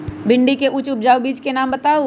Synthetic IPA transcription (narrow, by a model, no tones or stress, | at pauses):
bɪ̃ɳɖikeʔʊt͡ʃʊp̚d͡ʒaːubiːd͡ʒkenaːmbɐt̪aːo